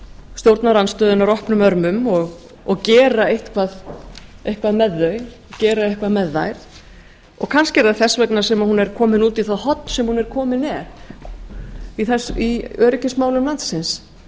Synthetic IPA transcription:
st̪jowɾt̪naɾanst̪œːðʏnaɾɔhpnʏmœɾmʏmɔɣ | ɔɣcɛːɾaejht̪kʰvaðejhkvaðmɛðːœɥɔcɛːɾaejhkvaðmɛðːa̰jɾ̥ | ɔɣkʰanscɪɛɾaðθɛsːvɛknasɛmahunːɛɾkʰɔːmɪnuːt̪iθaðhɔt̪nsɛmhunɛɾkʰɔːmɪnɛɾ̥ | iθɛsiœːɾɪcɪsmaːwlʏmlant̪sɪns

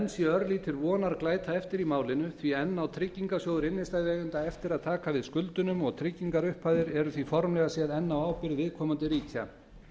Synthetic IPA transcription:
ɛnsjɛœɾlit̪ʰɪlvɔːnaɾklaːjt̪ʰaɛft̪ɪɾimaːwlɪnʏθviɛnːawt̪ʰɾɪcːiŋkasjoːwðʏɾɪnːɪst̪ajðvɛːɣʏnt̪aɛft̪ɪɾaðt̪ʰaːkavɪðskʏlt̪ʏnʏmɔɣt̪ʰɾɪcːiŋkaɾʏhpʰajðɪɾɛɾʏθvifɔɾmlɛɣasjɛðɛnːawawpɪɾðvɪðkʰɔːmant̪ɪɾiːcʰa̰

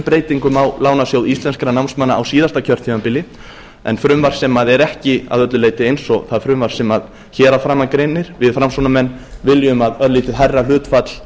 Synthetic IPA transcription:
pɾeːjt̪iŋkʏmawlaːwnasjowðist̪lɛnskɪɾanawnsmanːaːwsiːðast̪acʰœɾ̥t̪ʰivampɪlɪ | ɛ̰nfɾʏmvaɾ̥sɛmaðɛɾɛhcɪa̰ðœt̪lʏleːjt̪ɪejnsɔθaðfɾʏmvaɾ̥sɛmað | çɛːɾafɾaːmːakɾenːɪɾ̥vɪðfɾamsunamɛnːvɪljʏmaðœðliːt̪ɪðɦajrːal̥ʏːt̪fat̪l̥

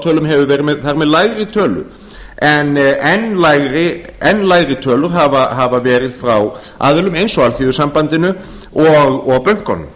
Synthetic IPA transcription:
t̪ʰœːlʏmɦɛvʏvɛːɾɪmɛðθaɾmɛðlaːjɣɾɪt̪ʰœːlʏ̰ | ʔɛnɛnːlaːjɣɾɪɛnːlaːjɣɾɪt̪ʰœːlʏɾ̥ɦavaɦavavɛːɾɪðfɾaw | a̰ːðɪlʏmejnsɔalθiðʏsampant̪ɪnʏ | ɔɣɔɣpœɥŋ̥kɔ̰nːʏ̰m

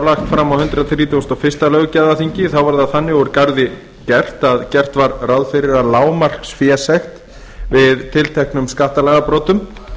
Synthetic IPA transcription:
laxt̪fɾamːawhʏnt̪ɾaðθɾiːt̪ʰowst̪awfɪst̪alœɣcaðaθiɲcɪθawvaɾðaðθanːɪɔɾkaɾðɪ | cɛr̥t̪aðcɛr̥t̪vaɾrawðfɪɾɪɾaðlaːwmar̥ksfjɛsɛxt̪ | vɪðt̪ʰɪlt̪ʰɛhknʏmskaht̪alɛɣapɾɔːt̪ʏm

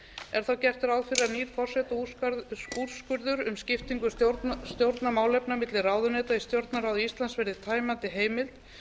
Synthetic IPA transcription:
ɛɾ̥θawcɛr̥t̪ɪɾawðfɪɾɪaðniːɾ̥fɔr̥sɛt̪a | uɾskʏɾðʏɾʏmscɪft̪iŋkʏst̪jowɾt̪namaːwlɛpnamɪt̪lɪraːwðʏnɛːt̪aist̪jowɾt̪naɾawðʏist̪lansvɛɾðɪt̪ʰaːjmant̪ɪɦeːjmɪlt̪

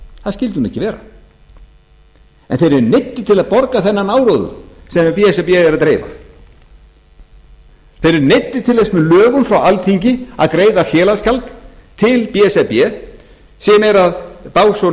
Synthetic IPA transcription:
θaðscɪlt̪ɪhunɛhcɪvɛːɾa | ɛ̰nθejɾɛɾnejt̪ːɪ̥t̪ʰɪlaðpɔɾkaθɛnːanaːwɾɔðʏ̰sɛmpiɛsɛpɛɛɾaðt̪ɾeːjva̰ | θejɾɛɾnɪjt̪ːɪt̪ʰɪlθɛsmɛlœːɣʏmfɾawalt̪ʰiɲcɪa̰ðkɾeːjðafjɛːlascʰalt̪ʰːɪlpiɛsɛpjɛ | sɛmɛɾaðpaːwso

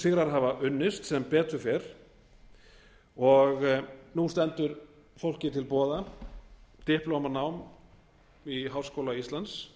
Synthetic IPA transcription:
sɪɣɾaɾɦavaʔʏnːɪst̪sɛmpɛːt̪ʏɾfɛɾ̥ | ɔɣnust̪ɛnt̪ʏɾ | fowl̥cɪt̪ʰɪlpɔːða | t̪ɪhplɔwmanaːwm | iɦawrskowlaist̪lans

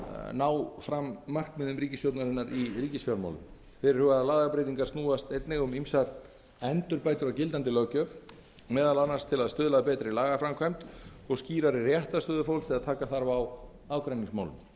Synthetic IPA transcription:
naːwfɾamːaxt̪mɪðʏmɾiːcɪstjowt̪naɾɪnːaɾiriːcɪsfjaɾma̰wlʏm | fɪɾɪɾ̥hʏɣaalaːðɣapɾejt̪iŋkaɾ̥t̪nuːast̪ejt̪nɛɣʏmimsaɾ | ɛnt̪ʏɾpaːjt̪ʏɾawcɪlt̪ant̪ɪlœcœv | mɛːðalanːaɾ̥st̪ʰɪlaðst̪ʏːðlaðpɛːt̪ɾɪlaːɣafɾamkʰajm̥t̪ɔɣsciːɾaɾɪrjɛht̪ast̪œːðʏfowlst̪ʰɪlaðt̪ʰaːkaθaɾvaw | awkɾajniŋsma̰wlʏm

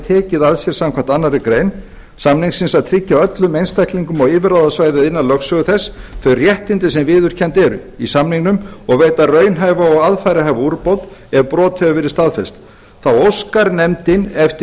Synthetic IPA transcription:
t̪ʰɛːcɪðaðsjɛɾ̥samkʰvam̥t̪anːaɾɪkɾeːjn | samniŋsɪnsaðt̪ʰɾɪcːaœt̪lʏmejnst̪ʰajkliŋkʏmɔɣiːvɪɾawðasvaːjðaðɪnːalœxsœɣʏθɛsθœɥrjɛht̪ɪnt̪ɪsɛmvɪːðʏɾ̥cʰɛnt̪ɛɾʏ̰isamniŋnʏmɔɣveːjt̪arœːɥnɦaːjvaɔɣaðfajɾɪɦaːvauɾpowt̪ɛvpɾɔːt̪hœvʏvɪɾɪ̥st̪aðfɛst̪ | θawowskaɾnɛmt̪ɪnɛft̪ɪ

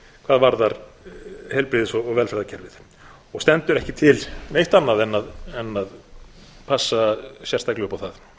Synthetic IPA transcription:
kʰvaːðvaɾðaɾ | hejlpɾɪðɪsɔɣɔɣvɛlfɛɾðacʰɛɾvɪð | ɔɣst̪ɛnt̪ʏɾɛhcɪt̪ʰɪlnejht̪anːaðɛnːaðɛnːað | pʰasːaɕjɛ̥st̪ʰaklʏʏpawθað

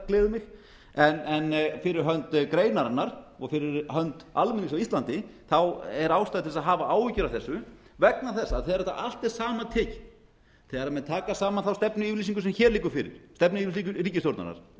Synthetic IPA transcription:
klɪːðʏmɪx | ɛnɛnfɪɾɪɾɦœnt̪kɾeːjnaɾanːaɾ̥ɔɣfɪɾɪɾɦœnt̪almɛnːɪsawist̪lant̪ɪθawɛɾaːwst̪ajðt̪ʰɪlsaðɦaːvaaːwvɪcʏɾawθɛsːʏ | vɛk̚naθɛsːaθɛːɣaɾɛht̪a̰ʔal̥t̪ɛɾ̥saːmat̪ʰɪc | θɛːɣaɾamɛnt̪ʰaːkasaːmanθawst̪ɛpnʏiːvɾlisiŋkʏsɛmçɛːɾliːkʏɾ̥fɪɾɪ̰ɾ̥st̪ɛpnʏilis̬ikʏɾiːcɪsjowɾt̪a̰na̰ɾ̥

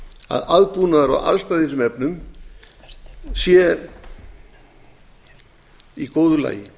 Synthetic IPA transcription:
a̰ðaðpuːnaðaɾa̰a̰lst̪aðθesʏmɛpnʏm | sjɛ | ikoːwðʏla̰ːjɪ

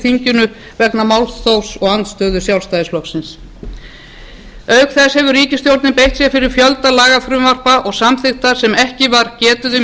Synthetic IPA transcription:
θiɲcʏnʏ | vɛknamawlt̪θowsɔɣant̪st̪œːðʏsjawlst̪ajðɪslɔksɪns | œɥkθɛshɛvʏɾriːcɪst̪jowɾt̪nɪpejht̪sjɛɾfɪɾɪɾ̥fjœlt̪alaːɣafɾʏmvar̥paʔɔɣsamθɪxt̪aɾ̥sɛmɛhcɪvaɾ̥cɛːt̪ʏðʏ

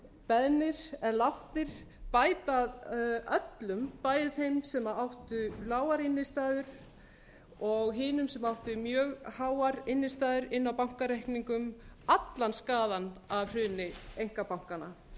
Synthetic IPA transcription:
pɛðnɪɾ̥ɛðlawht̪nɪɾ̥ | paːjt̪aðœt̪lʏmpaːjðɪθejmsɛmaawht̪ʏlaːwaɾɪnːɪst̪aːðʏɾ̥ | ɔɣɦɪːnʏmsɛmawht̪ʏmjœːɣhaːwaɾɪnːɪst̪aːðʏɾɪnːawpawŋ̥kaɾajhkniŋkʏmat̪lanskaːðanavr̥ʏːnɪejŋ̥kapawŋ̥kana

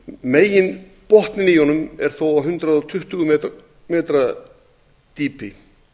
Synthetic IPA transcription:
meːjɪn | pɔht̪nɪnijonʏmɛɾ̥θowaɦʏnt̪ɾaðɔt̪ʰʏht̪ʏɣʏmɛ | mɛːt̪ɾa | t̪iːpʰɪ

